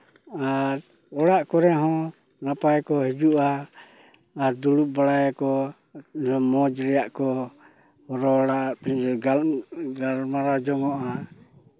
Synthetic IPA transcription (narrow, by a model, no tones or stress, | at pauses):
a | ɔɽaʔkɔɾɛɦɔ̃ | napaɛkɔɦid͡ʒuʔaː | d̪uɽuʔbaɽajkɔ | ɔmɔd͡ʒɾɛaʔkɔ | ɔɾɔɽapind͡ʒɔɡaɡalmaɾad͡ʒɔŋɔʔa